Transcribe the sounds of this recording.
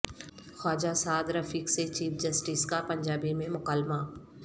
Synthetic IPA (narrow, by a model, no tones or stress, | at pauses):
xɔːd͡ʒasaːd̪ɾɐfiːkset͡ʃiːfd͡ʒɐsʈiːskapɐ̃ɲd͡ʒaːbimẽmʊkaːlma